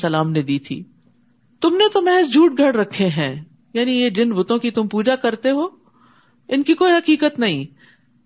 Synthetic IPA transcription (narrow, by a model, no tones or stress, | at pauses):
sɐlaːmned̪iːt̪ʰḭː | t̪ʊmnet̪omɛɦɛsd͡ʒuːʈ̚ɡʱɐɽɾɐkʰːeɦɛ̃ː | jaːnijed͡ʒɪnbʊt̪õkit̪ʊmpuːd͡ʒakɐɾt̪eɦoː | ɪnkikoːiɦɐkiːkət̪nɐɦĩː